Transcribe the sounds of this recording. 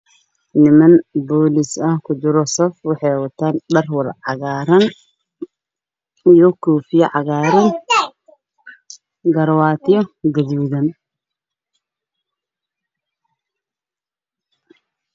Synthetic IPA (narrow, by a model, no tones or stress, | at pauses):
nɪmɐnbɔːlɪsɐhkʰʊd͡ʒɪɾɔsɔfwɑħɑjwɐt̪ʰaːnɖɐrwɐlʕɑɣaːɾɐn | jɔkʰuːfɪjɐʕɑɣaːɾɐn | ɡɐɾwaːt̪ʰɪjɔɡɐðuːðɐn